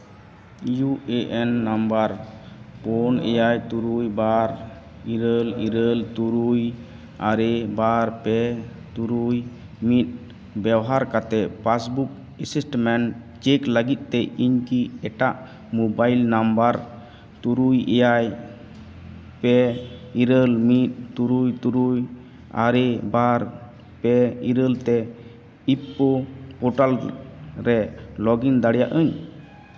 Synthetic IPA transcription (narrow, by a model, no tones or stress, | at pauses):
juɛʔɛnːambaɾpɔnɛ̰jajt̪uɾujbaɾ | iɾəliɾəlt̪uɾuj | aɾɛbaɾpɛt̪uɾuj | mit̪̚ | bɛwɦaɾkat̪ɛpasbuk̚ | esisʈmɛn | t͡ʃɛkləɡit̪̚ˀt̪ɛʔiɲkiɛʈaʔ | mubajlnambaɾ | t̪uɾujɛ̰jaj | pɛiɾəlmit̪̚t̪uɾujt̪uɾuj | a̰ɾɛbaɾ | pɛiɾəlt̪ɛ | ipːɔpɔʈalɾɛlɔɡind̪aɽja̰ʔəɲ